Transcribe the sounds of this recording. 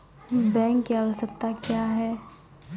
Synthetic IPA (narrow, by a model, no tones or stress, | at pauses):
bɛ̃ːŋkːalsəkt̪akjaɦɛː